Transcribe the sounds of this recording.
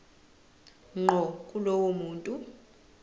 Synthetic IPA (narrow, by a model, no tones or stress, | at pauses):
ŋ͡ǃʱɔkʼulowomuːntʼu